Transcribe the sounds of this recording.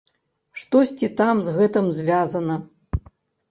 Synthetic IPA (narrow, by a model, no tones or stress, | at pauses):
ʂt̪ɔsʲt͡sʲit̪amzɣɛt̪ɨmzʲvʲazɐnɐ